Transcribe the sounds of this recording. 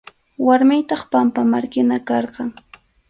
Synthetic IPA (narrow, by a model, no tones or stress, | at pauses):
waɾmɪjt̪ɑχpampamaɾkɪnakɑɾqɑŋ